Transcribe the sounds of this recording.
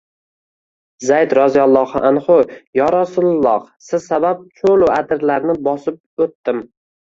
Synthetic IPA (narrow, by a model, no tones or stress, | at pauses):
zajd̪ɾɒzijɒlˠːɒhɑʔanχʊjɒɾasʊllˠːɒhsɪzsabap̚t͡ʃʰolʊad̪ɪɾlaɾnɪbɒsɪp̚ot̪ːɪm